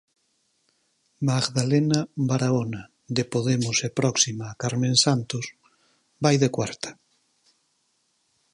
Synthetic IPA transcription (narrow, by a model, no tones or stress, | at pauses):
maɡðalenabaɾaona | d̪epoðemʊsepɾɔksimaːkaɾmẽnsant̪os | bajðekwaɾt̪ḁ